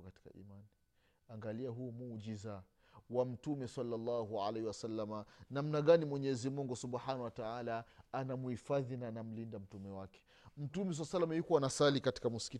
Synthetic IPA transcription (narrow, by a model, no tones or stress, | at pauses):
kati̥ka̰ʔḭmani | aŋɡaliaɦumuʄiza | wam̩tumɛsalːalːaɦua̰lehiwasalːamanamnaɠanimwɛɲɛzimuŋɡusubħanawataalaanamuhifaðinanam̩lindam̩tumɛwakɛ̥ | m̩tumɛs̬alsalːamajukuanasalikati̥kamuski